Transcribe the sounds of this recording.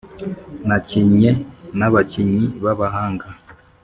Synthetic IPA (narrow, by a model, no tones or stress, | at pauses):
naciɲenaβaciɲiβaβaɦaːŋɡa